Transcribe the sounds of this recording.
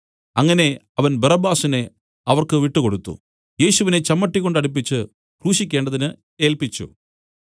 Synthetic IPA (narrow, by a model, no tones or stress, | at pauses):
ɐŋːɐne̞ | ɐʋɐnbɐrɐbaːsine̞ | ɐʋɐrkɨʋiʈːɨko̞ɽut̪ːṵ | je̞ːɕuʋine̞t͡ɕɐmːɐʈːikːo̞ɳɖɐɽip̬ːit͡ɕːɨ | kruːɕikʲːe̞ːɳɖɐðinɨ | e̞ːlpit͡ɕːṵ